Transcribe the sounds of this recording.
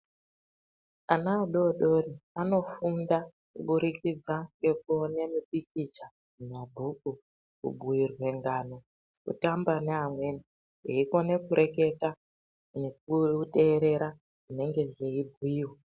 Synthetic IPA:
anaːɗo̞ɗo̞riano̞funda | kuɓuɾikid͡zaŋɡe̞k̚uonemiɓik̚it͡ʃa | umabʱuku | kṵɓuirwe̞ŋɡano̞ | kṵtambaneɦamwe̞ni | ɦeiko̞ne̞kuɾʔe̞ke̞ta | nekute̞ːɾe̞ɾa | ʐine̞ŋɡe̞d͡ʒeibʱwiːwe

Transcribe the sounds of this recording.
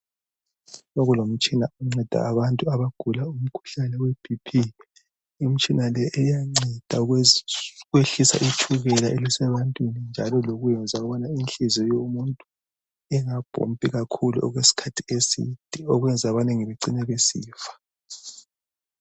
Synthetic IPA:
oɣulom̩t͡ʃʼinauŋ͡ǀɛd̥ʱa̰ːβantʼuaβaɡ̥ʱulaum̩kʰu̥ɬanɛweb̥ʱipʰi | im̩t͡ʃʼinalɛʔːjaŋ͡ǀɛd̥ʱa | ɣweɬisa̰ʔit͡ʃʰuɣɛlaʔɛlɛsɛβantʼwinind͡ʒʱalɔloɣujɛnd͡zʱaɣɔβanainɬizɔjomuntʼu | ɛŋab̥ʱo̰m̩pʼiɣakʰulṵʔɔ̰ɣwesi̥kʰatʰiesḭd̥ʱiɔɣwɛnd͡zʱaβanɛŋiβeǀinɛβesḭːfḁ

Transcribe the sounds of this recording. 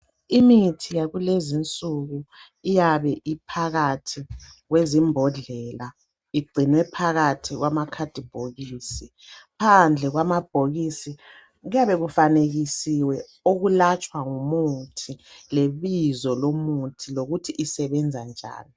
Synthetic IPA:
imitʰijaɣulezint͡sʼuɣu | ijaβɛʔipʰaɣatʰiɣwezimbʱɔɮɛla | iɡ͡ǀʱinwɛpʰaɣatʰiɣwamakʰad̥ʱib̥ʱoɣiːsi | pʰand͡ɮʱɛɣwamab̥ʱoɣisi | ɣujaβɛɣufaneɣisiwɛ | oɣulat͡ʃʼwaŋumutʰileβizɔlomutʰiloɣutʰiʔisɛβɛnd͡zʱand͡ʒʱa̰ːnɔ

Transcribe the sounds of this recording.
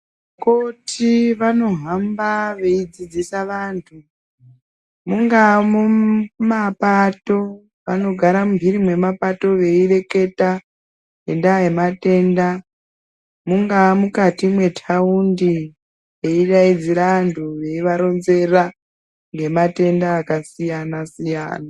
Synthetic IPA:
kotʰiʋano̞ɦambaʋe̞id͡zid͡zisaʋaːntʰu | muŋɡamumapato̞ | ʋa̰no̞ɡʱaɾamumbʱiɾimwe̞mapato̞ʋe̞ire̞ke̞ta | ɡendaje̞mate̞ːnda | muŋɡamukatimwe̞tʰaundi | je̞iraid͡ziɾaʋantʰuʋe̞iʋaɾo̞nze̞ra | ŋɡe̞mate̞ndaːkasijanasija̰ːna

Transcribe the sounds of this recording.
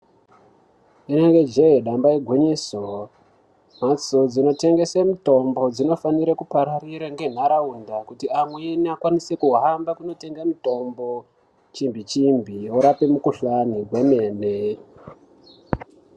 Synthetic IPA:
ineŋɡe̞d͡ʒeweɗambaiɡʱweɲiso | m̤at͡sod͡zino̞te̞ŋɡe̞semuto̞mbo̞d͡zino̞faniɾekupaɾariɾaŋɡe̞n̤aɾaundakutiamweːniakwanise̞kuɦambakuno̞te̞ŋɡamuto̞mbo̞ | t͡ʃimbit͡ʃimbʱioɾapemukuɬaniɡwe̞me̞ːne

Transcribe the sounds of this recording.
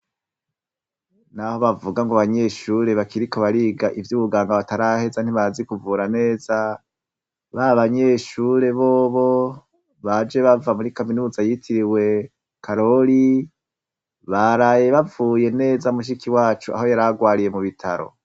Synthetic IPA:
naho̞βavuɡaŋɡoaβaɲe̞ʃuːɾe̞βakiɾiko̞βaɾiːɡaʔivjuβuɡaːŋɡaβataɾahe̞zan̥iβazikuvuːɾane̞ːza | βaβaɲe̞ʃuɾe̞βo̞ːβo̞ | βad͡ʒe̞βavamuɾikaminuːzajitʰiɾiwe̞ | kʰaɾo̞ɾi | βaɾaːje̞βavuːje̞ne̞ːzamuʃ̬ikiwaːt͡ʃua̰ho̞jaɾaɡwaːɾije̞muβitʰaɾo̰

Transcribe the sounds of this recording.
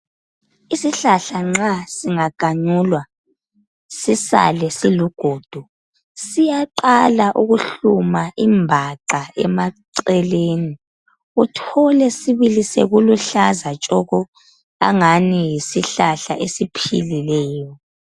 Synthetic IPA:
isiɬaɬaŋ͡ǁasiŋaɡ̥ʱaɲuːlwa | sisa̰lɛsiluɡ̥ʱoːd̥ʱu | sijaǃalaʔuɣuɬumaʔimbʱaǃaɛ̰maǀɛleni | utʰɔlɛsiβilisḛɣuluɬazat͡ʃʼɔɣɔ | a̰ŋanijisiɬaɬaʔesipʰḭlilɛːjɔ

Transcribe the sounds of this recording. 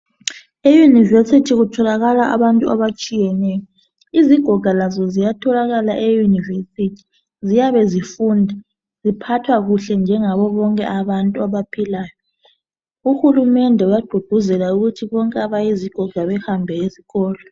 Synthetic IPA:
ejunivesitʰiɣutʰɔlaɣalaʔa̰βantʼua̰βat͡ʃʼijɛnɛjɔ | iziɡ̥ʱɔɡ̥ʱalazɔzijatʰɔlaɣalaʔejunivesitʰi̥ | zijaβɛzifundʱa | zipʰatʰwaɣuɬɛnd͡ʒʱɛŋaβɔβɔŋkʼɛ̰ʔaβantʼuaβapʰilaːjɔ | uxulumɛndʱɛujaɡ͡ǃʱud̥ʱuzɛlauɣutʰiβɔŋkʼɛaβajiziɡ̥ʱɔɡ̥ʱaβɛhambʱɛezi̥ɣɔːlɔ

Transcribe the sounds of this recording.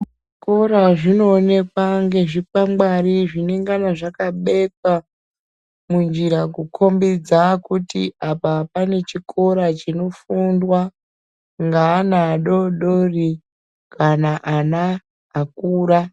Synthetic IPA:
iko̞ɾaʐino̞ːne̞kwaŋɡe̞ʐipamɡ͡baɾiʐineŋɡanaʐakaɓe̞ka | mund͡ʒiɾakukʰo̞mbid͡zakutiʔapapane̞t͡ʃikʰo̞ɾat͡ʃino̞fundwa | ŋɡaːnaɗo̞ɗori | kʰanaʔanaː | k̚uːɾa

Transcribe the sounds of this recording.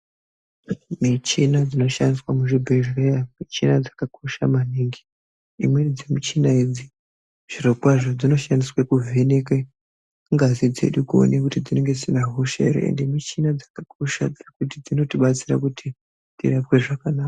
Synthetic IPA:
mit͡ʃinad͡zino̞ʃandiswamuʐibʱe̞ʒejamit͡ʃinad͡zakako̞ʃa̰maniːŋɡi | imwe̞d͡zemit͡ʃinaid͡zi | ʐ̥irokwaʐo̞d͡zino̞ʃandiswekuvʱeneke | ŋɡazid͡ze̞̰ɗukuo̰nekutid͡zine̞ŋɡe̞sinaɦuʃḛɾḛḛnde̞mit͡ʃinad͡zakakʰo̞ʃa̰d͡zekut̬id͡zino̞tiɓat͡siɾa̰kutʰi | tḭrapwe̞ʐakanaːka

